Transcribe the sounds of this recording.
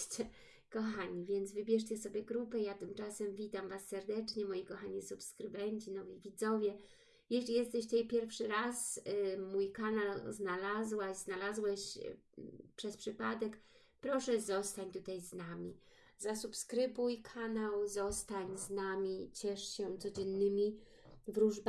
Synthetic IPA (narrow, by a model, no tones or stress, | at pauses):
t͡ɕɛ | kɔxaɲivʲjɛnd̪zvɘbʲjɛʂ̬t͡ɕɛsɔbʲjɛɡɾupɛjat̪ɘmt͡ʂasɛmvʲit̪amvasːɛɾd̪ɛt͡ʂɲɛmɔjikɔxaɲisupskɾɘbɛɲt͡ɕinɔvʲivʲid̪zɔvʲjɛ | jɛɕlʲijɛst̪ɛɕt̪ɛjpʲjɛɾfʂɘɾasmujkanalznalazwaɕznalazwɛɕ | pʂɛspʂɘpad̪ɛk | pɾɔʂɛzɔst̪aɲt̪ut̪ajznamʲi | zasupskɾɘbujkʰanawzɔst̪aɲznamʲit͡ɕɛʂɕɛt̪sɔd͡ʑɛnːɘmʲi | vɾuʐb